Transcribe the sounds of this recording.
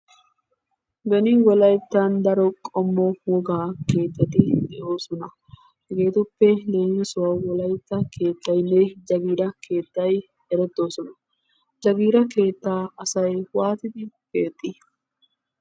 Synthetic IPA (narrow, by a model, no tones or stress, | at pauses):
bɛnɪwɔlɐjt̪ːand̪ɐɾɔkʼɔmːɔwɔɡaːke̞ːt̪ːɐt̪ɪd̪ɛʔo̞ːsɔnɐ | ɡe̞ːt̪ʊpːɛle̞ːŋːɛsʊwɐwwɔlɐjt̪ːɐkʰe̞ːt̪ːɐjnejd͡ʒɐɡiːɾɐkʰe̞ːt̪ːɐj | ɛɾɛt̪ːo̞ːsɔnɐ | d͡ʒɐɡiːɾɐke̞ːt̪ːaːɐsɐjwaːt̪ɪd̪ɪkeːt̪ʼːɪ